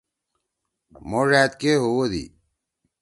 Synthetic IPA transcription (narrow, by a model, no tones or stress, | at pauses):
moʐæːt̪̚keɦowod̪ḭ